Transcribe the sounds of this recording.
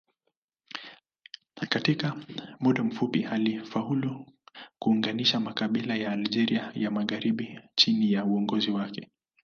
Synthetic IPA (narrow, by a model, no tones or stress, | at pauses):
katikamuɗam̩fupihalifahulukuːŋɡaniʃamakaɓilajaːld͡ʒɛɾiajamaɣaɾiɓit͡ʃinijauɔŋɡɔziwakɛ